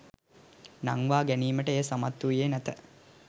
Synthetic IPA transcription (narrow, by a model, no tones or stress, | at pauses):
naŋʋaːɡæniːməʈəeːsamat̪ːujeːnæt̪ə